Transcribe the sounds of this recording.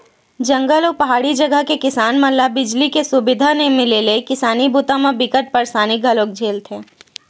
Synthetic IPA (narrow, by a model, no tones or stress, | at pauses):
d͡ʒɐ̃ŋɡəlɔːpɐɦaːɽid͡ʒɐɡəɦkekɪsaːnmɐlːabɪd͡ʒlikesʊbɪd̪ʱanẽmɪlelekɪsaːnibuːt̪ãmabɪkət̪̚pɐɾsaːnɪk̚ɡʱɐloːk̚d͡ʒʱeːlt̪ʰẽː